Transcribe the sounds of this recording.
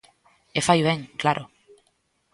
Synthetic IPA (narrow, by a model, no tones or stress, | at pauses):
efajβ̞ẽŋklaɾʔʊ